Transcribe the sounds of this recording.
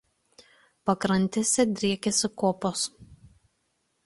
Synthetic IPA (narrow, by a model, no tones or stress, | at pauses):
pɐkɾɐnʲˑt̪ʲesʲɛd̪ʲɾʲiɛkʲɛsʲɪkoːpoːs